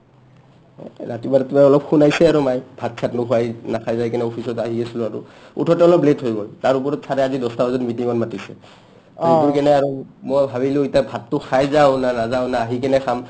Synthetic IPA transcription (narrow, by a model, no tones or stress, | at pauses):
natibadatubaɔlɔp̚xʰunajsɛaɹumajbʱat̚kʰatnʊxʰuajnakʰajzajk̬ɛnɛopʰisɔtaɦiesilʊ̃aɹṵ | ṵtʰɔtɛɔlɔpletɦojɡɔltaɹup̬ɔɹɔtsaɾɛazidɔstabazɔtmitiŋɔnmatisɛ̰ | ɔuɹkɛnɛaɹumɔjbʱabilʊ̃itabʱatːʊxʰajzaʊnanazaʊnaːɦik̬ɛnɛkʰam